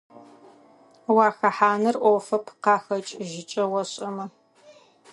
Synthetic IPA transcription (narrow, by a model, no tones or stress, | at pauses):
wɑːxɐħaːnɨrʔʷoːfɐpʰqɑːxɐt͡ʃʼʒɪt͡ʃʼɐwɐɕʼɐmɐ